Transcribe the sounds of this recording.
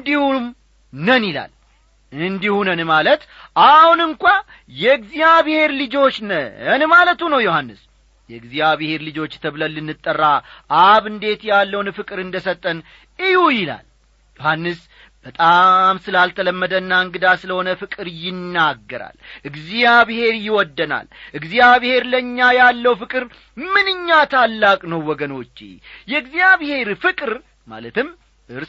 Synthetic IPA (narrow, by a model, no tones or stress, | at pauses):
nd̪ihum | nənila̰l | ɨnd̪ihunənmalət̪ | ʔahunɨŋkʷʼa | jɛɡzijaβhe̞ɾlɨd͡ʒo̞t͡ʃːnəənmalət̪unəwjohanːɨs | jɛɨɡzijaβɨhe̞ɾlɨd͡ʒo̞t͡ʃːt̪ʰəβləlːɨnːɨt̪ʼːərːaʔaβɨnd̪e̞t̪jalːəwnfɨkʼɨɾɨnd̪əsət̪ʼːən | ɨjujɪla̰l | johanːɨs | b̥ət̪ʼamsɨlalt̪ʰələmːəd̪ənːaɨŋɡɨd̪asɨləho̞nəfɨkʼɨɾjɪnːaɡːəɾa̰lʔɨɡzijaβhe̞ɾjɪwɔd̪ːəna̰lʔɨɡzijaβhe̞ɾləɲːajalːəwfɨkʼɨɾ | mɨnɨɲːat̪ʰalːakʼnəwwɔɡəno̞t͡ʃːḛjɛɨɡzijaβhe̞ɾfɨkʼɨɾ | ma̰lət̪ʰɨm | ʔɨɾ